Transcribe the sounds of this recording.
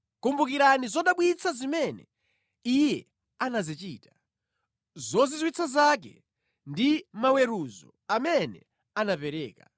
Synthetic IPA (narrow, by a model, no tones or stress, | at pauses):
kumbukiɾanizɔɗaɓwit͡sʰazimɛnɛ | ijɛ | anazit͡ʃiːtḁ | zɔzizwit͡sʰazak̬ɛ̰ | ndimawɛɾuzɔ̰ | amɛnɛ̰ | anapɛɾɛːka